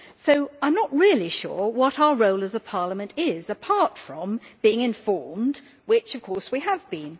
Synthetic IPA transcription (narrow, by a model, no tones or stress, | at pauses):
soʊãɪ̃mnəʔ̚ɹɪlˠiʃʊ̰ɹwʌɾaʊə˞ɹoʊlˠɨzəpʰɑɹləmɨ̃ntɪzɨpʰɑɹtfɹʌ̃mb̥iɪ̃ŋɨ̃ɱfɔɹmd | wɪt͡ʃʌv̥kʰɔɹswiəvbĩn